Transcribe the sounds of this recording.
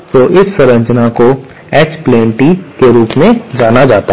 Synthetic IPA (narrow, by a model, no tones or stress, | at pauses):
t̪oːʔɪsːɐɾə̃ɲt͡ʃnako | ɛːt͡ʃplẽːɳʈikeɾuːpmẽd͡ʒaːnad͡ʒaːt̪a